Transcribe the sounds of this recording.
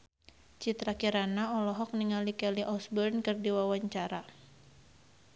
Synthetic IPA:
t͡ʃit̪ɾakiɾanaɔlɔɦɔk̚niŋalikɛliʔɔsbərnkɨrdiwawaɲt͡ʃaɾa

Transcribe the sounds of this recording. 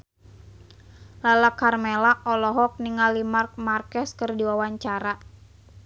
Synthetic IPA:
lalakːarmelaʔɔlɔɦɔk̚niŋalimark̚markɛskərdiwawaɲt͡ʃaɾa

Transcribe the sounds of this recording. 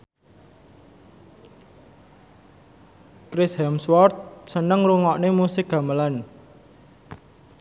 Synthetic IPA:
kɾɪshɛmswɔrt̪̚sənəŋɾuŋɔʔnemusɪk̚ɡ̥a̤məlan

